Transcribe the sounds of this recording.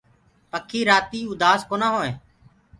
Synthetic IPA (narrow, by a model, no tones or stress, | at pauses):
pəkʰːiːɾaːt̪iːʊd̪aːskoːnãːɦoːẽː